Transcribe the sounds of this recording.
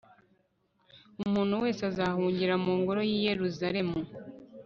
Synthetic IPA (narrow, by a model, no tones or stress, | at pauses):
umuːn̥huwe̞ːsazahuːɲɟiɾamuːŋɡoɾo̞jiːje̞ɾuzaɾe̞mu